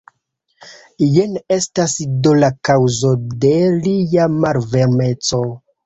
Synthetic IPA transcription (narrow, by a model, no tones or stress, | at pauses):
jene̞stasidolakawzo̞de̞lijamaɾveɾme̞t͡so̞